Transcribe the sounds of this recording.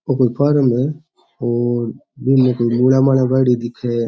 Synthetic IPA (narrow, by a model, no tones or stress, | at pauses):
okoːipʰəɾme | oːɾ | binmekoːimulamanabaɽid̪ikʰe